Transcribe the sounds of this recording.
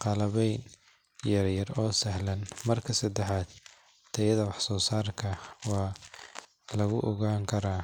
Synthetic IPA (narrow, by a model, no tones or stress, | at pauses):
qɑlɐβɛjn | jɐrjɐrɔːsɐɦlɐnmɐrkʰɐsɐd̪ɛħaːd̪ | t̪ʰɐjɐðɐwɑħsɔːsaːrkʰɐwɑː | lɐɣʊʔɔɣaːŋkʰɐɾaː